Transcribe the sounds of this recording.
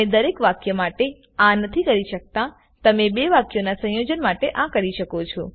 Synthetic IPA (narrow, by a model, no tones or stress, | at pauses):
ed̪əɾekʋakjəmaʈe | ãnət̪ʰikəɾiʃək̚t̪ã | t̪əmebeʋakjonasə̃jod͡ʒənmaʈeʔãkəɾiʃəkot͡ʃʰo̰